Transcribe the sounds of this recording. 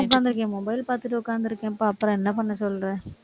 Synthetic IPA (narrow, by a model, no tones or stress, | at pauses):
ʊk̬ːaːnd̪ɪɾɯkːẽːmɔbɐɪlpaːɾt̪ɯʈ̬ːɯʊkːaːɾnd̪ɪɾɯkːẽɐpːoːɐpːɯɾɔ̃ɛnːɐpɐɳːɐsɔlɾẽː